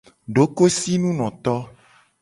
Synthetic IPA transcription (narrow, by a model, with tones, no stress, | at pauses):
ɖo˦ko˦si˦nũ˦nɔ̃˨t̪ɔ˦